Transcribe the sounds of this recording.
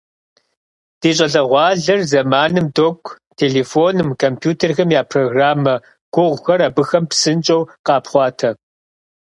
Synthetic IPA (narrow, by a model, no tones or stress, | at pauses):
d̥iːɕʼɐɮɐʁʷɑːɮɐrzɐmaːnɨmdokʷʰʼ | tʰeːɮeːfoːnɨmkʰompʰjuːtʰɐrxɐmjaːpʰroːɡraːmɐ | ɡ̥ʷʊʁʷxɐɾɐbɨxɐmpsɨnt͡ʃʼɐwqɑːpχʷɑːtʰɐ